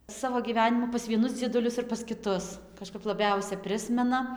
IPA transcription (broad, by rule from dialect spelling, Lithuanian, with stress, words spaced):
ˈsɑːʋoː ɡʲiːˈʋʲæːnʲɪmuː pɐs ʋʲiɛˈnʊs d͡zʲiɛdʊˈlʲʊs ɪr pɐs kʲɪˈtʊs kɐʃˈkɐp lˠɐˈbʲɛʊsʲɛ ˈpʲrʲɪsʲmʲɛnɐ